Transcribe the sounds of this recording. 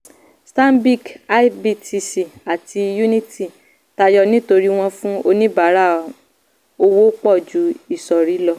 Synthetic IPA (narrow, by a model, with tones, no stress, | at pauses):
sta˦m˦bi˦˨ka˧i˦bi˧˨ti˧si˨a˨tʰi˧ju˦nĩ˦ti˦˨ | ta˧jɔ˧nĩ˦to˧ɾi˦w̃ɔ̃˧fũ˦o˧nĩ˦ba˨˦ɾa˦˨ | o˧wo˦k͡pɔ˦˨d͡ʒu˨˦i˦˨sɔ˨ɾi˨˦lɔ˧